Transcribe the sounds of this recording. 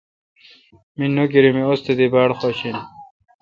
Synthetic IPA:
minuɡiɾimiost̪ed̪ibaːɽxoɕin

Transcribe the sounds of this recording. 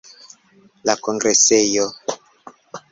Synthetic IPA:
lakɔŋɡɾesejɔ

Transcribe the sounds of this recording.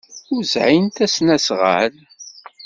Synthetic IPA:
ʊɾzʕint̪æsnæsʁə̰l

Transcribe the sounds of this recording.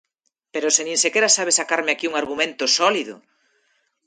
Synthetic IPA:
peɾosenĩŋsekeɾasaβ̞esakaɾmeakiuŋaɾɣumẽnt̪oʊsɔliðʊ̰

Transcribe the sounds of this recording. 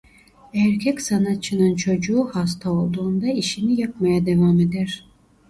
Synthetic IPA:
æɾcʲʰɛcsanat̪̚t͡ʃʰːɯnɯnt͡ʃʰo̞d͡ʒuːhas̬t̪ʰao̞lˠd̪uːnd̪aiʃinijak̚majad̪e̞vame̞d̪æɾ̥

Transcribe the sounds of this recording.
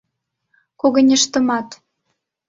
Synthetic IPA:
koɣɤ̆nʲĕʃt̪ə̆mɑt̪

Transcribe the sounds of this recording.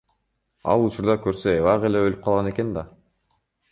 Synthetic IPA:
ɑ̰lˠut͡ʃuɾd̪ɑkøɾsøeβɑʁe̞le̞ølyp̚qʰɑlˠʁɑne̞ke̞nd̪ɑ

